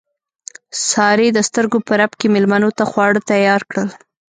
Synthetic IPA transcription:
sɑɾed̪əst̪əɾɡopəɾapkemɪlmanot̪axwɑɽət̪ajɑɾkɽəl

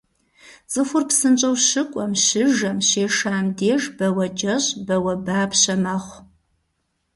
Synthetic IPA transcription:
z̥ʼɨfʷʊrpsɨnt͡ʃʼɐwʃɨkʷʼɔmʃɪʒɐmɕeːʂaːmdeːʐbɐwɐd͡ʒɐʑʼbɐwɐbaːpɕɐmɐχʷ

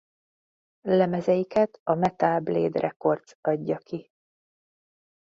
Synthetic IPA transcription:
lɛmɛzɛjikɛt̪ɒmɛt̪aːblḛːd̪rʔɛko̞rdt̪sɒɟːɒkʰi

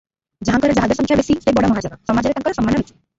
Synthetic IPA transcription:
d͡ʑaɦaŋkɔɾed͡ʒaɦad̪eɾsɔŋkʰjabesiʃejbɔɽamɔɦad͡ʒɔnasɔmad͡ʑeɾet̪aŋkɔɾesɔmːanːɔbet̪ʰi̥

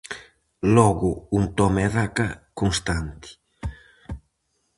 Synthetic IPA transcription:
lɔɡuunt̪ɔmeðakakoŋst̪ant̪i̥

